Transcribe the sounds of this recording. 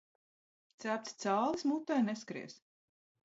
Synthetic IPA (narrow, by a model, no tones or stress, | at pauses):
t̪sæːp̚t̪sʲt̪saːlˠismut̪ːajneskɾḭs